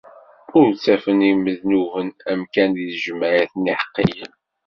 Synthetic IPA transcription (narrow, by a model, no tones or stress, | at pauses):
ʊɾt͡sːæfəniməðnuvənæmkæniðʒəmːæɾæθnːiħə̥qːḭjən